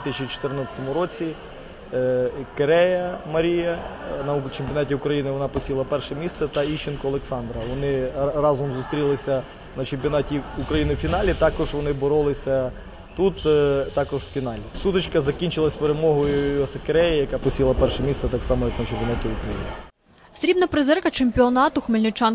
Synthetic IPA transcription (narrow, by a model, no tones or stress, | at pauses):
t̪ɪsʲt͡ʃit͡ʃɔ̥t̪ɪrnɑt͡sʲɐ̥t̪ɔmʊɾɔt͡sʲi | keɾɛjɐmɐɾʲijɐnɐt͡ʃempʲjɔnɑtʲiʊkɾɐjinɪʋɔnɑpɔsʲilˠɐpɛrʃɛmʲist̪sɛt̪ɐiʃenkɔɐlˠeksɑnd̪ɾɐʋɔnɪrɑzɔmzust̪ɾʲilˠɪsʲɐ | nɐt͡ʃemʲpʲiɔnɑtʲiukɾɐjinɪwfʲinɑlʲit̪ɑkɔʒʋɔnɪbɔɾɔlˠɪsʲɐ | t̪ut̪t̪ɑkɔʒwfʲinɑlʲisut̪ɪt͡ʃkɐzɐkʲinʲt͡ʃɪlˠɐsʲpeɾemɔɦɔjʊjsɛkeɾɛjɐjɐkɑpɔsʲilˠɐpɛrʃɛmʲist̪sɛt̪ɑksɑmɔjɐknɐt͡ʃempʲjɔnɑtʲiʊkɾɐjḭnɪ̥ | sʲɾʲibnɐpɾɪzɛrkɐt͡ʃemʲpʲiɔnɑt̪ʊxmelʲnʲɪt͡ʃɑn